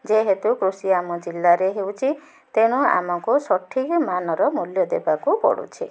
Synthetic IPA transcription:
d͡ʒeɦet̪ukɾusiamɔd͡ʒilːaɾeɦewt͡ʃʰi | t̪eɽ̃ua̰mɔkusɔʈʰikmanɔɾɔmuljɔd̪ebakupɔ̰ɽṵt͡ʃʰi

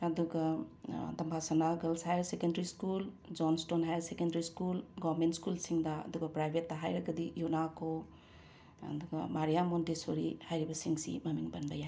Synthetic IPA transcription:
ɐduɡɐdɐmbʱasɐnaɡɐlsajɾsekendɐɾiskul | d͡ʒonstonɦajɾsekendɐɾiskulɡɔβɾmentskulsiŋdɐɐ̰duɡɐpɾajbʱetːɐɦajɾɐɡɐdijunakʰo | ɐ̰duɡɐmaɾijamondesoɾihajɾibɐsiŋsḭmɐmiŋbɐnbɐjaj

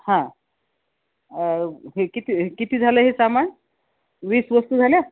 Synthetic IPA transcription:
hã | ɦekit̪ʰikit̪ʰid͡zʱaleɦesaman | bisbɔst̪ud͡zʱalja

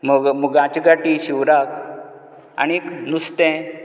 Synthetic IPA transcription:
məɡməɡãt͡ɕɡaʈiɕiʋɾak | a̰ñiknust̪ɛ̃

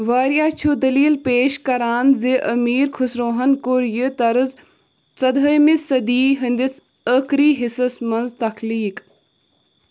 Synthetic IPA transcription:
ʋaːɾjaːt͡ʃʰud̪ɐliːlpeːʃkɐɾaːnziʔɐmiːɾkʰʊsɾoːɦɐnkoɾjɨt̪ɐɾəz | t͡sɐd̪ʱəjmisɐd̪iːɦɐnd̪ɪs | əkɾiːɦɪsɐsmɐnzt̪ɐkʰliːk

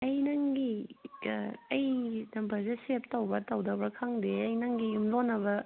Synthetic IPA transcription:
ɐjnɐŋɡi | ɐjnɐmpʰɐzesep̚tɐwbɐtɐwdɐbɐkʰaŋdeɐjnɐŋɡijumlonːɐbɐ

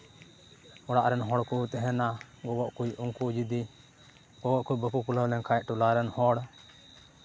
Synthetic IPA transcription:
ɔɽaʔɾɛnɦɔɽkut̪ɛɦɛna | ɡɔwɔʔkujʔuŋkud͡ʒid̪i | ɡɔwɔʔkujbəpukuləwlɛŋkʰajʔʈulaɾɛnhɔɽ

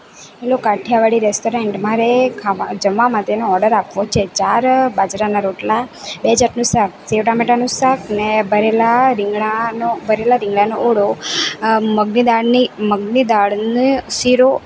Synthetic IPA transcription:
elokaʈʰjaʋaɽiɾesʈoɾeɳʈmaɾekʰad͡ʒəʋːamãt̪enoɔɾɖəɾapʋot͡ʃʰet͡ʃaɾbad͡ʒɾanaɾoʈlabeəd͡ʒaɾnũsak̚seʋʈameʈanũsaknebʱəɾelaɾɪŋɡɭanobʱəɾelaɾɪŋɡɭanoʔoɽo | məɡnid̪aɭniməɡnid̪aɭnisiɾo

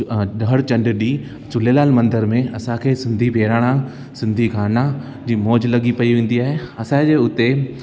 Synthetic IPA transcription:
ɗəɽt͡ɕɐ̃ɳɖɗiː | t͡ɕʊlelaːlmɐ̃nd̪əɾmẽɐsãkʰeːsɪ̃nd̪ʱibʱeːɾaːɽ̃ã | sɪ̃nd̪ʱiɡʱaːna | d͡ʑiːmɔːd͡ʑlɐɠipɐiʋẽːn̆d̪iaːɦeɐsãd͡ʑeːʊt̪e

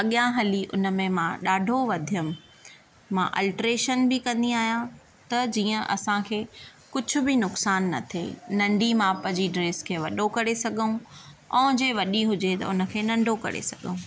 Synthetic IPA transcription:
ɐɠjãɦɐliʔʊ̰nə̆mẽmãɗaːɖʱoʋɐd̪ʱijəmɪ | mãʔɐ̰lʈɾeːʃənbɪkɐ̃nd̪iaːɦijã | t̪ɐd͡ʑiːə̃ʔɐ̰sãkʰeː | kʊd͡ʑʱʊ̆bɪnʊksaːnːɐ̰t̪ʰḛnɐ̃ɳɖʱimãpɐ̃d͡ʑiɖɾeːskʰeːʋɐɗokɐɾesɐɡʱəũɔ̃d͡ʑeʋɐɗiɦʊd͡ʑet̪ɐ̰ʊnə̆kʰeːnɐ̃ɳɖʱokɐ̰ɾḛsɐɠʱəũ

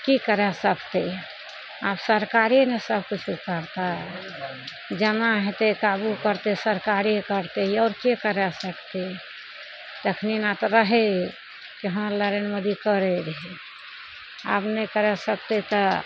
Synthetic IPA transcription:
kikəɾɛsəkt̪e | apsəɾkaɾinesəbʱkut͡ʃʰukəɾt̪aɦɛ | d͡ʒənaɦɛt̪ekabukəɾt̪esəɾkaɾikəɾt̪eɦɔːɾkekəɾɛsəkt̪e | t̪əkʰninat̪ɾəɦe | kiɦəmɾləɾenməd̪ikəɾeɾɦi | a̰pnekəɾɛsək̚t̪et̪ɔ

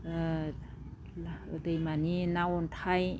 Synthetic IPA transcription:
dəjmaninawɔntʰaj

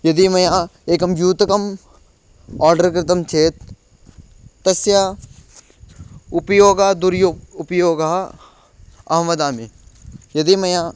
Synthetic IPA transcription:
jɐd̪imɐjaːeːkɐmjuːt̪ɐkɐm | aːɾɖɐɾkɾɪt̪ɐmt͡ʃʰeːt̪ | ɐsja | ʊpjoːɡaːd̪uɾjoʊpjoːɡaː | ɐɦɐmɐd̪aːmijɐd̪imɐjaː

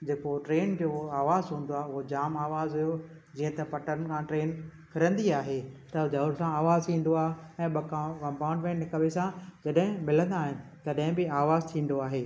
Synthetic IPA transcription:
d͡ʑeːkoʈɾeːnd͡ʑoːaːʋaːzɦũːnd̪oaːɦeʊɦod͡ʑaːmaːʋaːzɦʊjo | d͡ʑĩːə̃t̪ɐpɐʈəɾn̆kʰãʈɾeːn | kʰɪɾə̃nd̪iaːɦeːt̪ɐd͡ʑɐʊɾsãaːʋaːzt̪ʰĩːnd̪oaːɦeɛ̃ːɓɐkkɐ̃mpãːʊɳɖmẽːɳʈnɪkɐʋesãd͡ʑɐɗɦɪ̃mɪlə̃nd̪aːɦɪnɪ̆t̪ɐɗɦɪ̃bɪaːʋaːzt̪ʰĩːnd̪oaːɦeː

